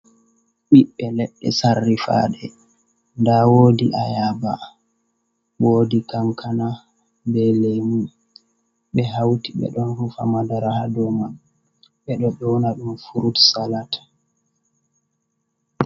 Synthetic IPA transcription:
ɓiɓːɛlɛɗːɛ̰sarːifa̰ɗɛ | ndawodiʔajaba̰ | woːdikamkʰana | bɛlemu | ɓɛɦawtiɓɛ̰ɗɔnhufa̰madaɾahadɔma | ɓɛɗɔɗɔnaɗumfuɾutsalatʰḁ

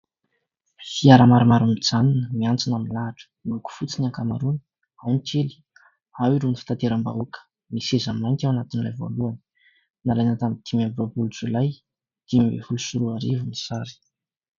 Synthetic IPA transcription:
fiaɾəmaɾamaɾunid͡zaninəmiant͡sinamilaaʈ͡ʂə̥uku̥fut͡sinaŋkama̰ɾunə̥ | awnit͡ʃeli̥ | awiɾunifi̥t̪at̪eɾamba̰ukə̥ | misezəmajnt̪awanat̪inilajvo̰luanə̥ | nalajnat̪amit̪imamvabulut͡sulaj | d̪̥imibḛfulusuɾuaɾivunisaɾi̥

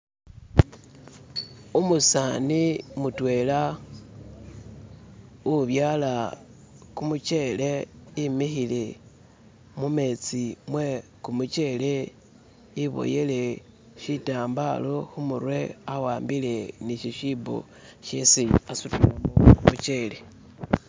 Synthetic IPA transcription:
umusanimutwe̞la | uβjala | kumut͡ʃeleimixile | mumet͡simwekumut͡ʃele | iβo̞̰jele̞ | ʃitaːmbaloxumuɾwe̞awaːmbile̞niʃiʃibo̰ | ʃesiasutumomumut͡ʃe̞le

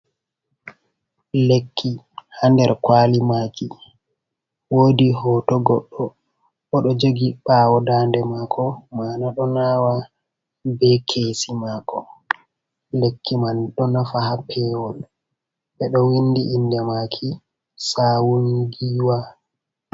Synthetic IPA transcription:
lekʰːi | handɛɾkwaːlimaki | woːdiɦɔːtɔɡɔɗːɔ | ʔɔɗɔd͡ʒoɡiɓaːwɔdandɛmakʰɔmaːnaɗɔnaːwa | bɛkʰeːsimakɔ | lekːimanɗɔnafahapʰɛwɔl | ɓɛɗɔwindiʔːndɛmaːkʰi | saːwuŋɡiːwa

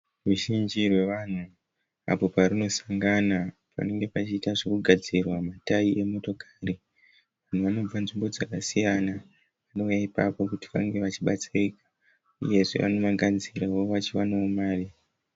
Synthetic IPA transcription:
ruʒind͡ʒirwe̞ʋan̤u | a̰po̞parino̞sḁŋɡana | pa̰ne̞ŋɡe̞pat͡ʃiːtaʐokuɡʱad͡zirwamataiʔe̞mo̞to̞kaːri | ʋan̤uʋano̞b͡vanʐimbo̞d͡zakasijana | ʋano̞jaipa̰po̞kuti̥ʋaŋɡe̞ʋat͡ʃiɓat͡saikḁ | ṵje̞ʐḛʋa̰no̞maɡʱad͡zirawoʋat͡ʃiwanaomaːri

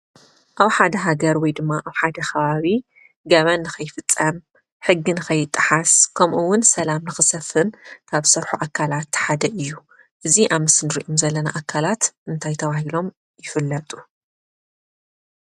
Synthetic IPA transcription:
ʔaβħad̪ɐɦaɡɐɾwɔjd̪ɨmːaʔaβħad̪ɐkʰɐβaβi | ɡɐβɐnːɨxɐjfɨt͡sʼːɐm | ħɨɡːinɨxɐjːɪt̪ʼːɨħaskʰɐmʔuwʊnsɐlamnɨxɨsɐfɨnkʰaβsɐɾħuʔakʰːalat̪ħad̪ɐʔɨjːu | ʔɨziʔamɨsɨnɨɾiʔomzɐlːɐnaʔakʰːalat̪ʔɨnt̪ʰajt̪ʰɐβahilo̞m | jɪfɨlːɐt̪ʼu

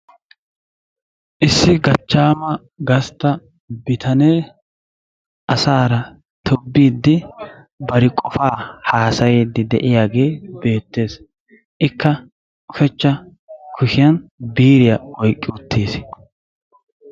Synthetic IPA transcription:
ʔɪsːɪɡɐt͡ʃːaːmɐ | ɡɐst̪ːɐ | bɪt̪ʰɐneː | ʔɐsaːɾɐ | t̪ʰɔbːiːd̪ːɪ | bɐɾɪkʼɔfaːhaːsɐjeːd̪ːɪd̪ɛʔɪjaːɡe̞ːbe̞ːt̪ːe̞ːs | ʔɪkːɐ | ʊfɛt͡ʃːɐ | kʰʊʃɪjɐnbiːɾɪjɐɔjkʼːɪʊt̪ʰːeːs

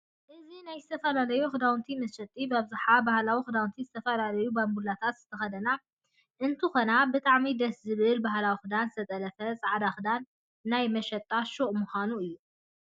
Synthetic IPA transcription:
ʔɨzinajzɨt̪ʰɐfɐlalɐjuxɨd̪awnt̪ʰimɐʃɐt̪ʼːibabzaħabahlawixɨd̪awnt̪ʰizɨt̪ʰɐfɐlalɐjubambulːat̪ʰat̪zɨt̪ʰɐxɐd̪ɐna | ʔɨnt̪ʰɨxo̞nabɨt̪ʼaʕmid̪ɐszɨβɨlbahlawixɨd̪anzɨt̪ʰɐt̪ʼɐlɐfɐsʼaʕd̪axɨd̪anː | ajmɐʃɐt̪ʼːaʃoʔmuxanuɨjːu

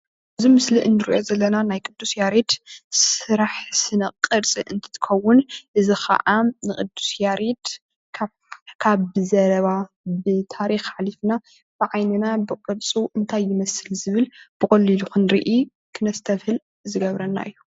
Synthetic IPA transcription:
ʔʔɨzimɨsliʔɨnːɨɾḭʔozɐlːɐnanajkʼɨd̪ːusjaɾid̪sɨɾaħsɨnɐqʼːɨɾt͡sʼiʔɨnt̪ʰɨ̥t̪ʰɨ̥kʰɐwːʊnʔɨzixɐ̰ʔanɨkʼɨd̪ːu̥sjaɾid̪ | kʰ | kʰaβɨzɐɾɐβa | bɨt̪ʰaɾixħalifna | b̥ɨʕajnɨnabɨqʼɨɾt͡sʼuʔɨnt̪ʰajːɪmɐsɨlzɨβɨlb̥ɨkʼɐlːiluxunɾḭʔi | kʰɨnɐst̪ʰɐfhɨl | zɨɡɐβɾɐnːa̰ʔɨjːu

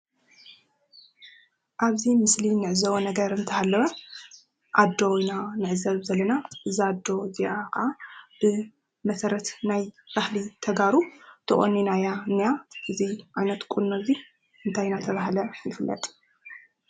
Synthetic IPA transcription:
ʔaβzimɨslinɨʕɨzɐwonɐɡɐɾɨnt̪ʰɐhalːɐwɐ | ʔad̪ːojnanɨʕɨzɐβzɐlːɐnaʔɨzɨad̪ːo̞ziʔakɨʔab̥ɨ | mɐsɐɾɐt̪najb̥ahlit̪ʰɐɡaɾut̪ʰɨχʼonːinajanijaʔɨziʔajnɐt̪kʼunːozi | ɨnt̪ʰajnat̪ʰɐβahlɐjɪfɨlːɐ̰t̪ʼ

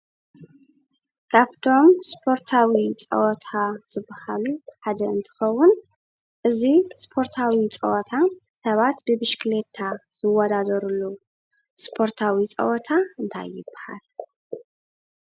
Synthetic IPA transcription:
kʰaβt̪ʰo̞mspʰo̞ɾt̪ʰawit͡sʼɐ̰wɔt̪ʰaz̥ɨbːahaluħad̪ɐɨnt̪ʰɨ̥xɐwːʊn | ʔɨzispʰo̞ɾt̪ʰawit͡sʼɐ̰ʔɔt̪ʰasɐβat̪bɨbɨʃklet̪ʰːaz̥ɨwɔd̪ad̪ɐɾulːu | spʰo̞ɾt̪ʰawit͡sʼɐ̰ʔɔt̪ʰaɨnt̪ʰa̰jɪbːaha̰l

